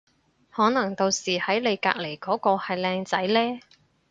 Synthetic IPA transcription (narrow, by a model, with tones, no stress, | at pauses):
hɔː˨˥nɐ˨˩ŋt̪o˨˧wsiː˨˩hɐ˨˥jle˨˧jka̰ː˧k̚le˨˩jkɔː˨˥kɔː˧hɐ˨jlɛː˧ŋt͡sɐ˨˥jlɛː˥